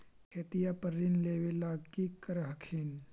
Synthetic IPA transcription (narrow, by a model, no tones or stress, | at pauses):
kʰeːt̪ijapəɾːinleːʋelaːɡkiːkːəɾɦɐkʰiːn